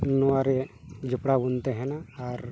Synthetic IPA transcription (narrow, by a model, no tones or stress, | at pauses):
nɔwaɾɛd͡ʒupɽabunt̪ɛɦɛnaːɾ